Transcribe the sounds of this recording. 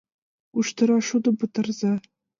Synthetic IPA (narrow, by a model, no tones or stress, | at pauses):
uʃt̪ɤ̆ɾɑʃud̪ɤ̆pɤ̆t̪ɤ̆rzɑ